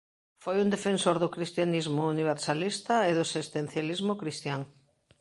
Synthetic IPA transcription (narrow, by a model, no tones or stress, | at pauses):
fojund̪efẽnsoɾðʊkɾist̪janizmʊuniβ̞eɾsalist̪ɐeðʊsist̪en̟θjalizmʊkɾist̪jaŋ